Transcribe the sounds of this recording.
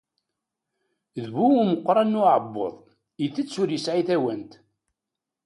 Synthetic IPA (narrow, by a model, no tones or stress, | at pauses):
ðβuməqːɾˤɑnːʊʕəbːo̰ðˤ | iθət͡sːʊɾjəsʕiθæwænt̪